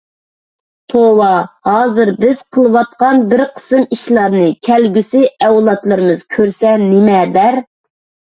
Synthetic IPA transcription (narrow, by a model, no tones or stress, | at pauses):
t̪ʰowɑhɑːzɨɾbɪz̥qʰəlˠɨwɑt̪̚qɑnbɪɾqʰə̥sɨmiʃlˠɑɾnɨkʲʰɛlɡʲysɪɛwlˠɑt̪lˠɨɾɨmɨz̥kʲʰøɾsɛnɪmɛd̪æɾ